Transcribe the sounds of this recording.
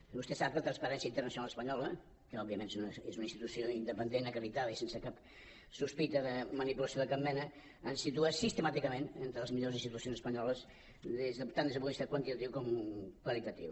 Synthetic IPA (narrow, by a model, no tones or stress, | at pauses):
bust̪ɛsaplət̪ɾənspəɾɛnsiəint̪əɾrnəsunalˠəspəɲɔlə | kəɔbːiəmẽnezunezunəinst̪it̪usioind̪əpənd̪enəkəɾit̪aðəisensəkap | suspit̪əðəmənipulɐsjoðəkap̚mɛnə | ənsit̪uasist̪əmat̪ikəmenent̪ɾələzmiʎozinst̪it̪usionzəspəɲɔləz | ðezðət̪and̪əzəpulist̪akwənt̪it̪ət̪iwkɔmkwəlit̪ət̪ḭw